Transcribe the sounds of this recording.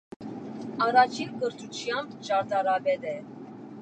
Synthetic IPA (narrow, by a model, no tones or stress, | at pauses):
ɑɾɑt͡ʃʰinkəɾt̪ʰut͡ʃʰjɑmbt͡ʃɑɾt̪ɑɾɑbɛd̪ɛ